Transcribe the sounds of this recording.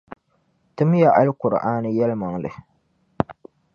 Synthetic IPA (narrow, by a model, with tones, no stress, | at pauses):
tɨ˦m˦ja˨ʔa˦lkʊ˨ɾ̰ʔaː˦nɨ˦jɛ˦lma˨ŋlɨ˨